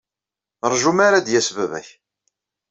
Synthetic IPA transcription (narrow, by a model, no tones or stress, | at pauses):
ɾˤʒumaɾad̪jæsvævæ̰ç